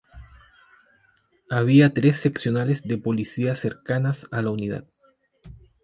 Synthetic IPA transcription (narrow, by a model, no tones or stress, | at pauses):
aβ̞iat̪ɾesːe̞ksjo̞nalezd̪e̞po̞lisiaseɾkanasalauniða̰t̪̚